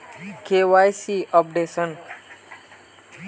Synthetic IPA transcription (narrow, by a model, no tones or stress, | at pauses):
kewajsiʔɔp̚ɖesən